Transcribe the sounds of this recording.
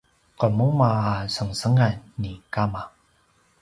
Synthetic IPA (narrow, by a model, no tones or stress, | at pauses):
kɔmomaɦaːsəŋsəŋanikama